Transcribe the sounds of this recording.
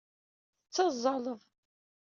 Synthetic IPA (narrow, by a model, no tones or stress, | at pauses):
θət͡sːɑzˤːɑlˤəðˤ